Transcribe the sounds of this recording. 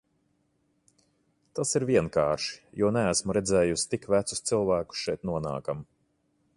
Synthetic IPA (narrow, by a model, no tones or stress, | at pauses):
t̪asiɾvʲiɛnkaːɾʃi̥juɔnææsmuɾɛd̪zɛːjusi̥t̪ikvæt̪su̥st̪silˠvæːku̥sʃɛjt̪nuɔna̰ːkam